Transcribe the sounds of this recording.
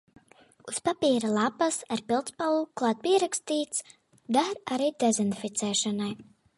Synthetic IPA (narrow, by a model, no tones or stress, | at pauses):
uspapiːɾalˠapasaɾpilˠt̪spalˠuklˠaːt̪̚piɛɾakst̪iːt̪s | d̪aɾaɾiːd̪ɛzind̪fit̪sɛːʃanaj